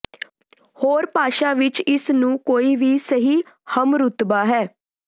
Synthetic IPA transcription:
hoːɾpaːʃaːʋɪt͡ʃɪsnũːkoːiːʋiːsəɦiː | həmɾʊt̪baːɦɛː

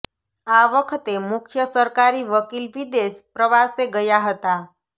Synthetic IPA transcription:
aʋəkʰt̪emukʰjəsəɾkaɾiʋəkiːlʋid̪espɾəʋaseɡəjaɦət̪a

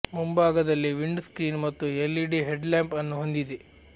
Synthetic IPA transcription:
mumbaːɡɐd̪ɐlːiʋiɳɖskɾiːnmɐt̪ːuelːiɖiɦeɖlaːmpɐnːuɦond̪id̪e

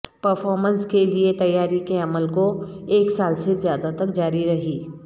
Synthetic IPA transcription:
pɐɾfɔːɾmə̃nskeliet̪ɐjːaːɾikeɐməlkoeːksaːlsezjaːd̪at̪ɐkd͡ʒaːɾiɾɐɦiː

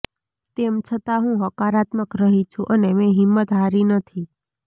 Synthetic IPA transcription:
t̪emt͡ʃʰət̪aɦũɦəkaɾat̪məkɾəɦit͡ʃʰũʔənemẽɦimːət̪ɦaɾinət̪ʰi

